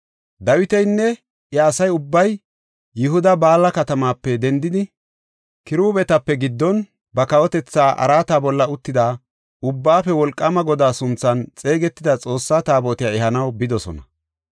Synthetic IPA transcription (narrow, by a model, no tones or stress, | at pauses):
d̪ɐwɪt̪ɛjnːɛ | jɐːsɐjʊbːɐj | jɪɦʊd̪ɐbaːlːɐkɐt̪ɐmaːpːɛd̪ɛnd̪ɪd̪ɪ | kɪɾuːbɛt̪ɐpːɛɡɪd̪ːɔn | bɐkɐwɔt̪ɛt͡sːaːʔɐ̰ɾaːt̪aːbɔlːɐʊt̪ːɪd̪aː | ʊbːaːfɛwɔlkʼːɐmɐɡɔd̪aːsʊnt͡sːɐnt͡sʼe̞ːɡɛt̪ːɪd̪ɐt͡sʼo̞ːsːaːt̪aːboːt̪ɪjaɛɦɐnɐwbɪd̪ɔsɔ̰nɐ